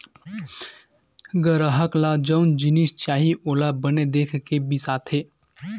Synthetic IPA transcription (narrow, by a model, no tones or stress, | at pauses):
ɡəɾəɦəklad͡ʒəʊnd͡ʒɪnist͡ʃaːɦiʔoːlabəned̪eːkʰkebisaːt̪ʰɦeː